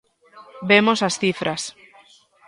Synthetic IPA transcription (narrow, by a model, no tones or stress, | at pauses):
bemosasθifɾas